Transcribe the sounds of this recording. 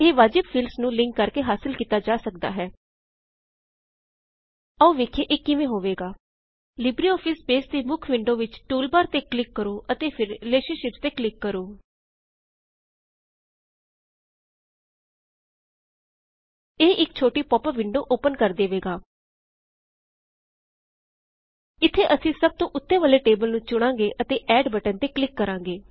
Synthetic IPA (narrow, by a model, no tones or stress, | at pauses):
eːʋaːd͡ʒɪbpʰiːlsnũːlɪ̃ŋkːəɾkeːɦaːsɪlkiːt̪aːd͡ʒaːsəkd̪a̰ːɦɛː | əoːʋeːkʰeːʔɪːkɪʋẽːɦoːʋeːɡaː | lɪbɾiːɔːpʰɪsbeːst̪eːmʊkʰʋɪɳɖõːʋɪt͡ʃʈuːlbaːɾt̪eːklɪkːəɾoːʔət̪eːpʰɪɾɪleːʃəɾʃɪpst̪eːklɪkːəɾoː | eːʔɪkt͡ʃʰoːʈiːpɔːpəɾʋɪɳɖoːʔoːpənkəɾd̪eːʋeːɡaː | ɪt̪ʰːeːʔəsĩːsəb̚t̪õːʔʊt̪ːeːʋəːleːʈeːbəlnũːt͡ʃʊɽ̃ãːŋɡeːʔət̪eːʔɛːɖbəʈənt̪eːklɪkːəɾãːŋɡeː